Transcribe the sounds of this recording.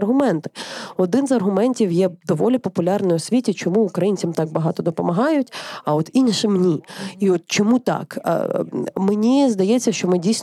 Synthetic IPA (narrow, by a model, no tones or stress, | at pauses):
rɦʊmɛnt̪ɪ̥ɔd̪ɪnzɐrɦʊmɛnʲtʲiwjɛd̪ɔʋɔlʲipɔpʊlʲɑrnʊjɔsʲʋʲitʲit͡ʃɔmuːkɾɐjinʲt͡sʲɐmt̪ɑɡ̚bɐɦɑt̪ɔd̪ɔpɔmɐɦɑjʊtʲɐɔt̪inʲʃɪmnʲiiɔt̪̚t͡ʃɔmut̪ɑ̰kmenʲizd̪ɐjɛt͡sʲːɐʃt͡ʃɔmɪdʲijsʲ